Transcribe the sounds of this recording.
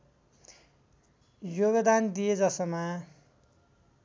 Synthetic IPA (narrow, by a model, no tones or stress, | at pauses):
joɡd̪and̪ijed͡zʌsʌma